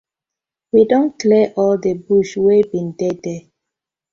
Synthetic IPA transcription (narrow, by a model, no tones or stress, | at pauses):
widɔ̃nklɛʔɔldebuʃwebĩndɛdɛ